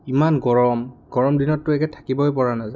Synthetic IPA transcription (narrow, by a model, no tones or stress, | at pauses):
imanɡɔɹɔmɡ̥ɔɹɔmdinɔtːʊɛkɛtʰḁkibɔojpɔɹanaza